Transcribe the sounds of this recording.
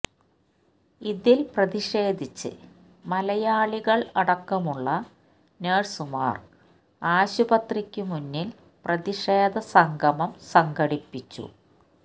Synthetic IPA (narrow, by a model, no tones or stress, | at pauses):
iðilprɐðiʂe̞ːd̪ʱit͡ɕːɨ̰ | mɐlɐjaːɭiɣɐɭɐɽɐkːɐmuɭːɐ | neːrsuma̰ːr | aːɕubɐt̪rikʲːumunːil | prɐðiʂeːd̪ʱɐsɐŋɡʱɐmɐmsɐŋɡɐɽipːit͡ɕːṵ